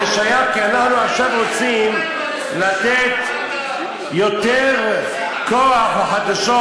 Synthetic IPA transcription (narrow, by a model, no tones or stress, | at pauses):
eʃajamkianaħnuaχʃavʁot͡sim | lat̪et̪ | jo̞t̪eʁ | koaħaħad̪aʃo